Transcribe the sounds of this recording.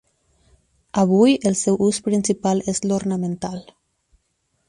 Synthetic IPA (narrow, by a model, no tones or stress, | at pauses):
aβ̞ujəlˠsɛwʔuspɾinsipalezloɾnamẽnt̪al